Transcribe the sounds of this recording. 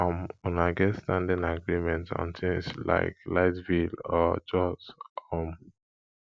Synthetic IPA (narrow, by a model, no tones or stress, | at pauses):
amunaɡɛtstãndĩnaɡɹimɛ̃ntɔ̰̃ntʰĩsla̰ɪklaɪtvilɔd͡ʒɔsɔm